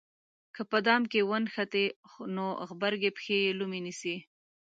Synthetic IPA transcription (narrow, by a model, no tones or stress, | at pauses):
kəpəd̪ɑmkewənxat̪enoxbaɾɡepxejeluminisi